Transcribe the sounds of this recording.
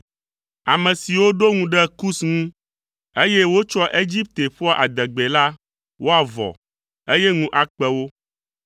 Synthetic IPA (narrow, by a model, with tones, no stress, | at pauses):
a˨mɛ̃˨si˨wo˦ɖo˦ŋũ˦ɖɛ˦ku˦sŋũ˦ | e˦jɛ˦wo˦t͡ʃɔ˦ʔe˦d͡ʑi˦p̚t̪e˨ɸɔ˦ʔa̰˨d̪ɛ˨ɡ͡be˨la˦ | wo˦a˨vɔ̰˨ | e˦jɛ˦ŋũ˦ʔa˨k͡pɛ˦wo˦